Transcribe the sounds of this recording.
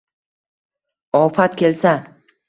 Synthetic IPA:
ɒfat̪kʲʰe̞lsa

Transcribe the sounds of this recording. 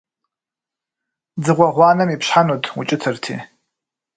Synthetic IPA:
d͡zɨʁʷɔʁʷɑːnɐmipɕħanuːtʰʼṵt͡ʃʼɪtʰɨrtʰḭː

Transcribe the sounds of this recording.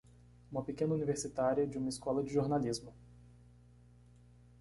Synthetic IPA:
ũmɐpekẽnɐuniveɾsit̪aɾiɐd͡ʒɪũmɐiskɔlɐd͡ʒɪʒoɾnalizmʊ

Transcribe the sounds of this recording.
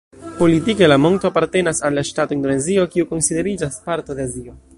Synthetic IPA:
po̞litike̞lamo̞ŋkto̞apaɾte̞nasalːaʃtato̞ind̪o̞ne̞zio̞kiuko̞nsid̪e̞ɾid͡ʒaspaɾto̞d̪e̞azio̞

